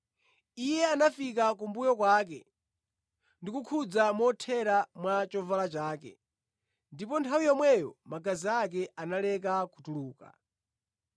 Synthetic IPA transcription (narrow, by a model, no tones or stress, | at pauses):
ijɛanafik̬ak̬umbujɔkwaːk̬ɛ̰ | ndikukʰud͡zamɔtʰɛɾamwat͡ʃɔvalat͡ʃaːkɛ̰ | ndipɔntʰawijɔmwɛjɔmaɡaziak̬ɛanalɛk̬akutuluːka̰